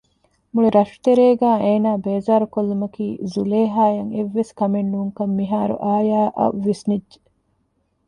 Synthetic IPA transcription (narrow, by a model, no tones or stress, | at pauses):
muɭiɾɐʃu̥t̪eɾeːɡæːʔeːnaːbeːzaːɾukolːumɐkiːzuleːɦaːjɐŋeʋːeskɐmenːuːŋkɐmːiɦaːɾṵʔaːjaːʔɐ̰ʋːesnidd͡ʒe̥